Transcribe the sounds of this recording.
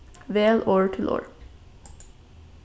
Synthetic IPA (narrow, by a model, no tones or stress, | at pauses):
ʋeːlʔoːɹʈʰɪlʔo̰ːɹ